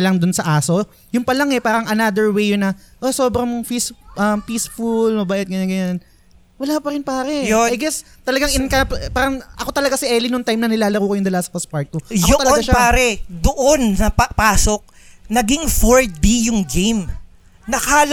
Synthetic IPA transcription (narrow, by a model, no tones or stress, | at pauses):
ɐlɐŋd̪ʊnsɐʔaːso̞ | jʊŋpɐlɐŋɛpaːɾɐŋʔɐnad̪ɛɹwejʊnɐʔoso̞ːbɾɐŋfisʔɐmpiːsfulmɐbaːʔɪt̪̚ɡɐɲanɡɐɲan | wɐlaːpɐɾɪnpaːɾɛjajɡɛst̪ɐlɐɡaŋɪkɐppaːɾɐŋʔɐ̰ko̞t̪ɐlɐɡasɪʔɛːlɪnoŋt̪ajmnɐnɪlaːlɐɾuːkojʊŋd̪ɐlast̪̚fɐst̪̚paɹt̪̚kːojot̪ɐlɐɡaʃaaːɾɛd̪oʔonsɐpapaːsok̚ | nɐɡɪŋfoɹd̪ijʊŋɡejm | nɐkaːl